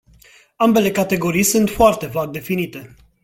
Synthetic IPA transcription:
ambe̞le̞kat̪e̞ɡo̞ɾijsunt̪foart̪e̞vak̚d̪e̞finit̪e̞

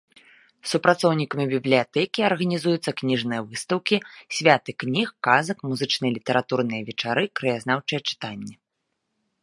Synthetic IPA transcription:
supɾat̪sɔwnʲikɐmʲibʲiblʲijat̪ɛkʲiɐrɣɐnʲizujut̪sːɐknʲiʐnɨjɐvɨst̪ɐwkʲisʲvʲat̪ɨknʲixkazɐkmuzɨt͡ʂnɨjɐlʲit̪ɛɾat̪urn̪ɨjɐvʲɛt͡ʂaɾɨkɾɐjaznawt͡ʂɨjɛt͡ʂɨ̥t̪anʲːɛ

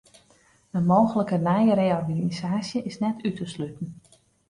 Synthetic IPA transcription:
əmowɣələkənɛjəɾejɔrɡanizaːsjəɪsnɛtytʰəslytən̩

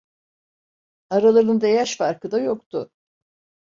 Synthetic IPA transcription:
aɾalˠaɾɯnɯnd̪ejaʃfaɾkʰɯd̪ajo̞k̚t̪ʰʊ

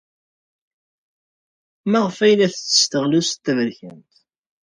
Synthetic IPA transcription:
maʁfæjlæθət͡sːə̥st̪əʁlust̪ːævəɾçənt̪

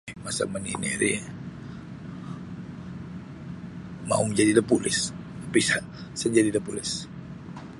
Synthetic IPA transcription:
masa̰məninḭɾḭ | ma̰uməd͡ʒadidəpulɪ̰s | apisa | sad͡ʒadidəpulɪs

